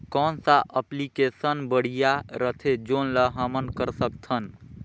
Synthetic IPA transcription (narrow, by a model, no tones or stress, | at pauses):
kɔːnsaʔəplikesənbəɽ̤ijaɾət̪ʰed͡ʒoːnləɦəmənkəɾsəkt̪ʰən